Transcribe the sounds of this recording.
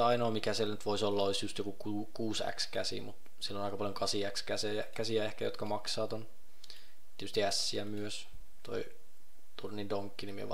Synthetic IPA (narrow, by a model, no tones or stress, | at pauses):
ɑinoːmikæsielnyt̪ʋoisolːɑoisjust̪jokukuːkuːsæ̰kskæsḭmṵt̪ | silːonɑikɑpɑljoŋkɑsiækskæseækæsiæehkæ̰jo̰t̪kɑmɑksɑːt̪on | t̪iet̪yst̪iæsːiæmyøs | t̪o̰i | t̪urnindoŋkːinimḭʋ